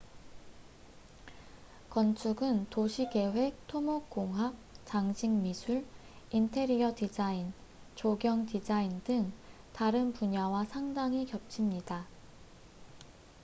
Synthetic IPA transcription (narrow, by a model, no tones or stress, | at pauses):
kʌnt͡ɕʰuɡɯntoɕʰike̞we̞k̚tʰomokk͈oŋɦwak̚t͡ɕaŋd͡ʑʰiŋmisʰuɭ | intʰe̞ɾiʌtid͡ʑain | t͡ɕoɡjʌŋtid͡ʑaindɯŋ | taɾɯnpuɲawasʰaŋdaŋikjʌp̚t͡ɕʰimɲida